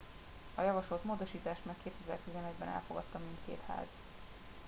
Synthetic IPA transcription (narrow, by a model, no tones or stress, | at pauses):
ɒjɒvɒʃlolt̪moːd̪oʃiːt̪aːʃt̪makkeːt̪ɛzɛ̰rt̪izɛnɛɟ̪bɛ̰nɛ̰lfo̞̰ɡɒ̰t̪ːɒmːint̪kḛːt̪ha̰ːz̥